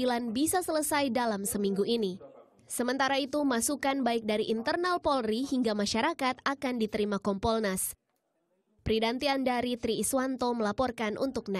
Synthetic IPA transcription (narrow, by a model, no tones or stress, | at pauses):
ilanbisasələsajdalamsəmiŋɡuʔini | səmənt̪aɾait̪umasukanbaɪk̚daɾiʔint̪ərnalpɔlriɦiŋɡamaʃaɾakat̪̚akandit̪əɾimakɔmpɔlnas | pɾidant̪iandaɾit̪ɾiːswant̪oməlapɔrkanʔṵnt̪ʊk̚na